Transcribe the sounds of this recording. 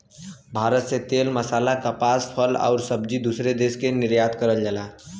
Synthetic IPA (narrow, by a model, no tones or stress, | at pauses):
bʱaɾət̪set̪elməsalakəpaspʰəla̰ʊɾsəbd͡ʒid̪usɾed̪eskeniɾjad̪kəɾəld͡ʒala